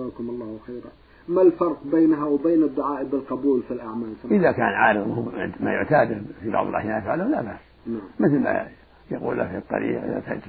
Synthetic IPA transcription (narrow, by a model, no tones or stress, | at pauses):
aːkʊmɑlˤːɑːhwxeːɾ | malfɑɾˤqbeːnɦawbeːnɪd̪ːʊʕaːʔbɪlqɑbuːlfilʔaʕmaːlsaʔɪðakaːnʕaːɾɨðˤnːhmajʊʕt̪aːd̪fibɑ̰ʕb̪̰ˤlʔa̰hjaːjfʕalʊhlabaʕs | naʕmmɪθlma̰ | jaqṵːlʔafit̪ˤːɑ̰ɾḭːqʔɪ̰ða̰t̪ad͡ʒ